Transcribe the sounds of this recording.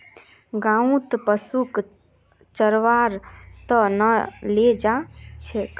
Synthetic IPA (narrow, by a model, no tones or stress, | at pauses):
ɡãũt̪pəsuk | t͡ʃəɾʋaɾt̪ənəled͡ʒat͡ʃʰek